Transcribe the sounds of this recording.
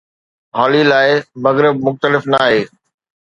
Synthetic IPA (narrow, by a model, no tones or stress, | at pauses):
ɦɔːlilaːɪmɐɣɾɪb̚mʊxt̪əlɪfnaːɦeː